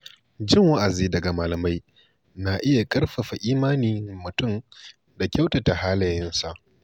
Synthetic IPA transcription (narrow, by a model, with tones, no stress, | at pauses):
d͡ʒɪ˦ŋwa˦ʔa˨ziː˦dɐ˨ɡa˨maː˨lɐ˨ma˦j | na˨ʔɪ˦ja˨kʼɐ˦rɸa˨ɸa˨ʔiː˦maː˦niː˨mʊ˨tʊ˦m | da˨kʲa˦wta˨ta˨haː˦lɐ˨jɪ˦nsa˨ʔ